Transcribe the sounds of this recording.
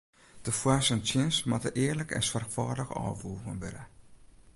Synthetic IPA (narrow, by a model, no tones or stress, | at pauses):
d̥əfwasəntjɪnsmatəʔɪːərləkʰɛ̰sfarxfɔːdəxɔ̰ːʋuːɣənʋɪ̰də